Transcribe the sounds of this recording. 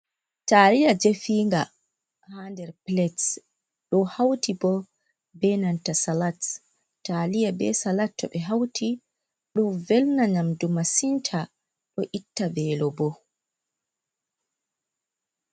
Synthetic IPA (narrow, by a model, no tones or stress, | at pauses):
talijad͡ʒefiːŋɡa | handɛɾplɛts | ɗɔhawtʰibɔ | bɛnantasalat | talijabɛsalatːɔ̰ɓɛɦawtʰi | ɗɔvɛlnaɲamdumasintʰa | ɗɔʔitːavɛːlɔbɔ